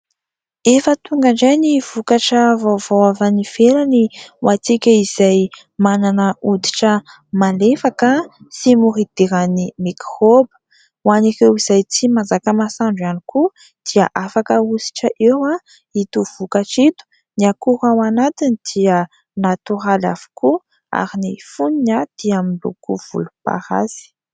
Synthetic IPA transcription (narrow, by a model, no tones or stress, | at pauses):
efət̪uŋɡaɳɖ͡ʐajniv̥ukaʈ͡ʂəvovowavaniv̥eɾaniwʔat͡sikʲəiz̥aj | mananəud̪i̥ʈ͡ʂə | malefakəsimuɾid̪̥iɾanimikrobə̥ | wanikewiz̥ajt͡simazakəmasaɳɖ͡ʐaniku | d̪̥ia̰ʔafakəusi̥ʈ͡ʂəʔewa | it̪uv̥ukaʈ͡ʂit̪u̥ | niakuɾawanat̪inid̪̥iə | nat̪uɾala̰vu̥ku | a̰ɾinifuninad̪̥iaminlṵkuv̥ṵlupa̰ɾa̰zi̥